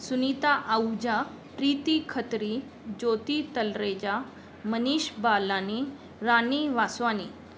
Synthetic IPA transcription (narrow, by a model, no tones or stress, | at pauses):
sunit̪aʔəwd͡ʑa | pɾit̪ikʰət̪ɾi | d͡ʑot̪it̪əlɾed͡ʑa | məniɕbalani | ɾaniʋasʋani